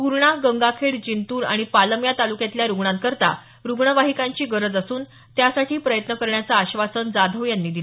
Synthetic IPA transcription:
kuɾɳaɡəŋɡakʰeɽd͡ʑint̪uːɾa̰ɽ̃ipaləmjat̪alukẽt̪ljaɾuɡɳãnt̪̚kəɾt̪a̰ | ɾuɡɳəʋaɦikãɲt͡ɕiːɡəɾəd͡zasuːn | t̪jasaʈʰiːpɾəjət̪nəkəɾɳjat͡saːɕʋasənd͡zad̪ʱəʋjanːiːd̪ilə

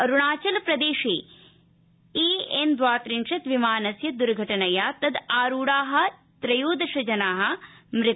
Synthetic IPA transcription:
ɐɾuɳaːt͡ʃɐlɐpɾɐd̪eːʃeː | iːend̪ʋaːt̪ɾinʂɐt̪ʋimaːnɐsjɐd̪uɾɡʱɐʈɐnɐjaːt̪ɐd̪aːɾuːɽaːɦɐ̆ | t̪ɾɐjoːd̪ɐʃɐd͡ʒɐnaːɦɐ̆mɾɪt̪

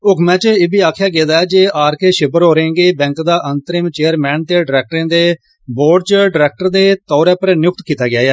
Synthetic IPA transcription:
ʊkʰmɛ̃ːt͡ʃəɪbʱiːaːkʰɪjaːɡeːd̪aːɛːd͡ʒeːaːɾkeːʃɪbəɾɦoːɾẽːŋɡeːbɛ̃ːŋkd̪aːʔənt̪əɾiːmt͡ʃeːəɾmɛ̃ːnt̪eːɖɪɾɛːk̚ʈɾẽːd̪eː | boːɖ̚t͡ʃəɖɪɾɛːk̚ʈəɾd̪eːt̪ɔːɾɛːpəɾnjʊk̚t̪kiːt̪aːɡɪjaːɛː

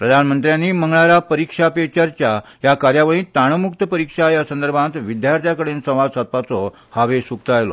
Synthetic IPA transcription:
pɾəd̪ʱanmənt̪ɾjãnːiːməŋɡɭaɾapəɾikʂapet͡ɕəɾt͡ɕja | jakaɾjaʋəɭĩːt̪aɽ̃əmukt̪əpəɾikʂajasənd̪əɾbʱãnt̪ʋid̪jaɾt̪ʰjakəɽeːnsə̃w̃ʋad͡zsat̪̚pat͡sɔ | haʋesuk̚t̪əajlɔ̰

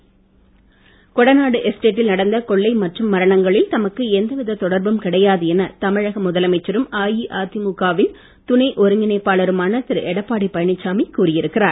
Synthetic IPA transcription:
kɔɽɐnaːɽɯʔɛsʈeːʈːɪlnɐɽɐnd̪ɐkɔɭːɐɪmɐʈrɯmːɐɾɐɳɐŋɡɐɭɪlt̪ɐmɐkːɯɛnd̪ɐʋɪðɐt̪ɔɽɐɾbɯmkɪɽɐjaːðɯɛnɐt̪ɐmɪɻɐɣɐmʊðɐlɐmɐɪt͡ʃːɐɾɯmaːjiʔaːt̪imukaːʋɪn | t̪ʊnɐɪʔɔɾɯŋɡɪnɐɪpːaːɭɐɾɯmaːnɐt̪ːɪɾʔɛɽɐpːaːɽipɐjɐɳɪt͡ʃːaːmikːuːrɪjɪɾɯkːɪraːɾ

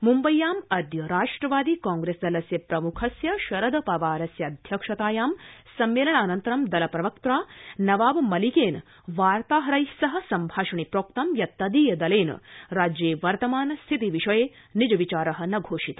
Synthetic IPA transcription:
mumbɐjːaːmɐd̪jɐɾaːʂʈɾɐʋaːd̪ikaːŋɡɾeːsd̪ɐlɐsjɐpɾɐmukʰɐsjɐʃɐɾɐd̪ɐpɐʋaːɾɐsjɐɐd̪ʱjɐkʂɐt̪aːjaːmsɐmːeːlɐɳaːnɐnt̪ɐɾɐmd̪ɐlɐpɾɐʋɐkt̪ɾaːnɐʋaːʋɐmɐlikeːn | ʋaːɾt̪aːɦɐɾɐjsɐɦɐ̆sɐmbʱaːʂɐɳipɾoːk̚t̪ɐmjɐt̪ːɐd̪iːjɐd̪ɐleːn̰ɾaːd͡ʒjeːʋɐɾt̪ɐmaːnɐst̪ʰit̪iʋiʂɐjeː | nid͡ʒɐʋit͡ʃaːɾɐɦɐ̆nɐɡʱoːʂit̪ɐ

